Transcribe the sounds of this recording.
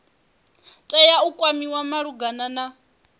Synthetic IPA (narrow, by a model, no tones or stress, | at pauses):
tʼɛjaukʼwamiwamaɺuɡanana